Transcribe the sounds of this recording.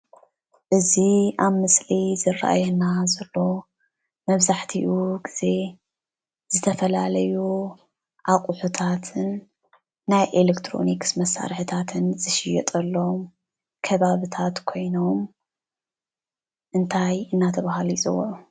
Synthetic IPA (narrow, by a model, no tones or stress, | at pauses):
ʔɨziʔaβmɨslizɨrːa̰ʔa̰jɛnazɐlːo̞ | mɐβzaħt̪ʰiʔuɡiz̥e̞ | z̥ɨt̪ʰɐfɐlalɐju | ʔakʼuħut̪ʰat̪ʰɨn | najʔelekt̪ʰɾo̞̰niksmɐsːa̰ɾħɨt̪ʰat̪ʰɨnzɨʃɪjɛt̪ʼɐlːom | kʰɐβaβɨt̪ʰat̪kʰo̞jno̞m | ʔɨnt̪ʰajɨnːat̪ʰɐβahalizʼɨwɐ̰ʔu